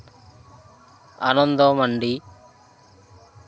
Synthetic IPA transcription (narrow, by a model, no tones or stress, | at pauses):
ɐ̰nɐnd̪omɐɳɖi